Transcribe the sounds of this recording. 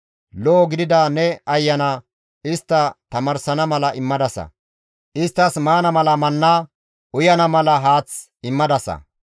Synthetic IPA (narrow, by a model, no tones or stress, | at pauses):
loːɡɪd̪ɪd̪ɐnɛɐjːɐnɐ | ɪst̪ːɐt̪ɐmɐɾsɐnɐmɐlɐɪmːɐd̪ɐsɐ̰ | ʔɪst̪ːɐsmaːnɐmɐlɐmɐnːa | ʔʊjɐnɐmɐlɐɦaːt͡s | ɪmːɐd̪ɐsɐ̰